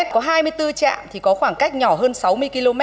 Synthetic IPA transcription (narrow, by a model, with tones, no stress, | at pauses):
ɛ˦˥t̚kɔ˨˦ɦaː˧jmɨ˧əjt̪ɨ˧t͡ɕa̰ː˧˨mt̪ʰi˨˩kɔ˨˦xwaː˧˩ŋka˦˥jk̟̚ɲɔ˧˩ɦəː˧nsa˨˦wmɨ˧əjki˧lo˧mɛ˦˥